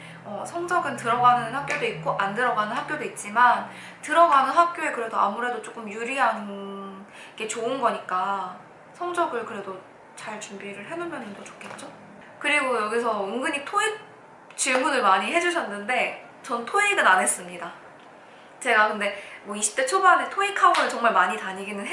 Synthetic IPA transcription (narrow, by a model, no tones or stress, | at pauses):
ʌsʰʌŋd͡ʑʌɡɯntɯɾʌɡanɯnhak̚k͈jodoik̚k͈oʔandɯɾʌɡanɯnɦak̚k͈jodoit̚t͡ɕ͈iman | tɯɾʌɡanɯnɦak̚k͈joe̞kɯɾe̞doʔa̰muɾe̞dot͡ɕ͈ok͈ɯmjuɾiɦann | ike̞t͡ɕoɯnɡʌɲik͈a | sʰʌŋd͡ʑʌɡɯɭkɯɾe̞do | t͡ɕaɭt͡ɕumbiɾɯɭɦe̞numjʌnɯndot͡ɕo̥kʰe̞t̚t͡ɕ͈o | kɯɾiɡojʌɡis̬ʰʌuŋɡɯɲitʰoik̚ | t͡ɕiɭmunɯɭmaɲiɦe̞d͡ʑuɕʰʌnːɯnde̞ | t͡ɕʌntʰoeɡɯnane̞s͈ɯmɲida | t͡ɕe̞ɡakɯnde̞mwʌiɕʰi̥p̚t͈e̞t͡ɕʰobane̞tʰoikʰaonɯɭt͡ɕʌŋmaɭmaɲitaɲiɡinɯnɦe